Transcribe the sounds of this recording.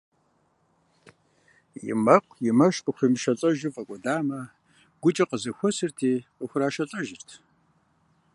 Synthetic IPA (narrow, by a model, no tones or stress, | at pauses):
jɪ̰mɐqʷʼjɪmɐʃtʼuχʷimʃɐɬʼɐʒɨfʼɐkʷʼɔdaːmɐ | ɡʷʊt͡ʃʼɐqəzɨxʷʊsɨrtʰiːqəxʷʊraːʃɐɬʼɐʒɪrtʰ